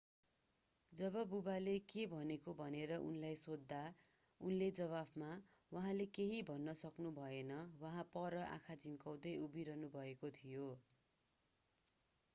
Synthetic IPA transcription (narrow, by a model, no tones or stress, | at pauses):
d͡zʌbʌbubalekebʱʌnekobʱʌneɾʌʔṵnlajsod̪ːa | unled͡zʌβabma | waɦãlekeɦibʱʌnːʌsʌknubʱʌenʌwʌɦãpʌɾʌʔã̰kʰad͡zimkaw̃d̪ʌjubiɾʌnubʱʌekot̪ʰijo